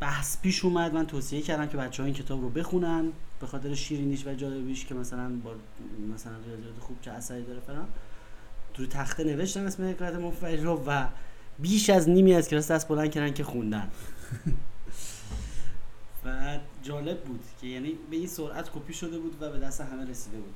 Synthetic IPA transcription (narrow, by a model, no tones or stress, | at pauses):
b̥æhspʰiːʃumæd̪mænt̪ʰoːsijecʰæɾd̪æmcʰe̞bæt̪t͡ʃːehɒincʰe̞t̪ʰɒːbɾobe̞xunænb̥e̞xɒːt̪ʰe̞ɾeʃiːɾiniːʃvæd͡ʒɒːle̞biːʃcʰemæsælænbɒː | mæsælænriɒːzijɒːt̪ʰexub̥t͡ʃʰeæsæɾiːd̪ɒːɾefeɾɒn | ɾut̪ʰæxt̪ene̞ve̞ʃt̪æmesmehe̞kʰɒːjæt̪ʰemofæelɾovæbiːʃæzniːmiːæzkʰʲeɒːsd̪æst̪̚bo̞læn̥̚cʰæɾæncʰe̞xund̪æn | væd͡ʒɒːle̞bːuːd̪̥cʰe̞jæːniːbe̞insoɾʔæt̪kʰopʰiːʃo̞d̪e̞buːd̪væbe̞d̪æst̪eɦæme̞ɾesiːd̪e̞buːd̪̥